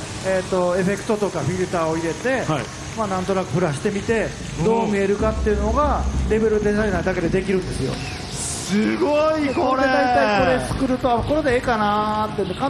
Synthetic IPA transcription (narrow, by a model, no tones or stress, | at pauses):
et̪ːo̞e̞ɸe̞kɯ̟̥t̪o̞t̪o̞kaɸʲiɾɯ̟t̪aːo̞iɾe̞t̪e̞ | maːnãnt̪o̞nakɯ̟ɸɯ̟ɾaɕi̥t̪e̞mʲit̪e̞ | d̪o̞ːmʲie̞ɾɯ̟kat̪ːe̞ɯ̟no̞ɡaɾe̞be̞ɾɯ̟d̪e̞saɾenaid̪ake̞d̪e̞d̪e̞kʲiɾɯ̟̃nd̪esɨjo̞̰ | sɨɡoikoɾed̪ait̪aiko̞ɾe̞sɨ̥kɯ̟ɾɯ̟t̪o̞ako̞ɾe̞d̪eekanat̪ːeiɯ̃nd̪ekã